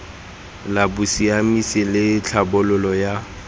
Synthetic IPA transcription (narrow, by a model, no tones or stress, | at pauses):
labʊsiamisɪlɪt͡ɬʰabʊlʊlɔja